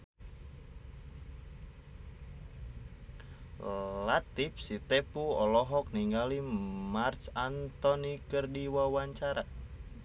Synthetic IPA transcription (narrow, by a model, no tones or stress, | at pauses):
lat̪ifsit̪ɛpuɔlɔɦɔk̚niŋɡalimart͡ʃant̪ɔnikərdiwawaɲt͡ʃaɾa